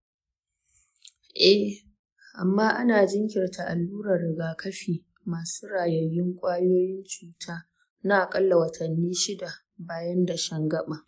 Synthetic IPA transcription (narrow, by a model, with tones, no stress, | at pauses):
ʔɛ˦h | ʔa˨mːaː˦ʔa˦naː˨d͡ʒɪ˦ŋkʲɪ˨rtʰa˨ʔa˨lːuː˦ɾɐ˨rːɪ˨ɡaː˨kʰɐ˦ɸiː˨ | maː˨suː˦ɾaː˨jɐ˨jːɪ˦ŋkʷʼaː˦joː˦jɪ˦nt͡ʃuː˨tʰaː˦ | naː˦ʔkʼɐ˦lːa˨wɐ˨tʰɐ˨nːiː˦ʃɪ˦da˨ | baː˨jɐ˦nda˨ʃɐ˦ŋɡɐ˦ɓa˨ʔ